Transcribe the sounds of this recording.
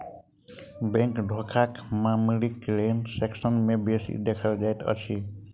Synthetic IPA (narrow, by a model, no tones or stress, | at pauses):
bẽŋkɖʱɔkʰakmamlikɾenseksʌnmebesḭd̪ekʰald͡ʒajt̪ʰʌ̰sʰi